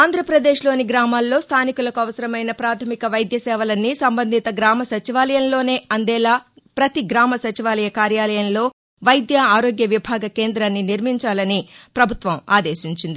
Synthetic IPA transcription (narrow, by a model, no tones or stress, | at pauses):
aːnd̪ʱɾɐpɾɐd̪e̞ːʃlo̞ːniɡɾaːmaːlːo̞ːst̪ʰaːnikulɐkuɐʋɐsɐɾɐmɐjnɐpɾaːt̪ʰɐmikɐʋɐjd̪jɐsɛːʋɐlɐnːisɐmbɐnd̪ʱit̪ɐɡɾaːmɐsɐt͡ʃiʋaːlɐjɐmlo̞ːne̞ːɐnd̪ɛːlaː | pɾɐt̪iɡɾaːmɐsɐt͡ʃiʋaːlɐjɐkaːɾjaːlɐjɐnlo̞ː | ʋɐjd̪jɐaːɾo̞ːɡjɐʋibʱaːɡɐke̞ːnd̪ɾaːnːiniɾmiɲt͡ʃaːlɐnipɾɐbʱut̪ʋɐma̰ːd̪e̞ːʃiɲt͡ʃind̪i